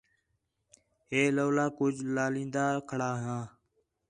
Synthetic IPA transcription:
ɦeːloːlaːkʊd͡ʒlaːlĩːnd̪aːkʰəɽaːɦãː

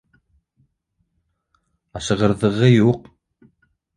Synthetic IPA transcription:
ɑʃə̆ʁəɾðəʁəjuq̚

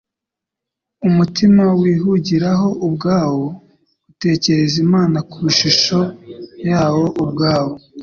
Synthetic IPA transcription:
umutimawiːɦuɟiɾaɦo̞ʔubɡaːwo̞ | ute̞ːce̞ɾe̞zimaːnakuɾuʃiʃo̞jaːwo̞ʔubɡaːwo̞

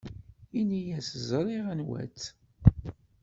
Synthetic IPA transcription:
inijæsəzˤɾˤiʁənwæ̰t͡sː

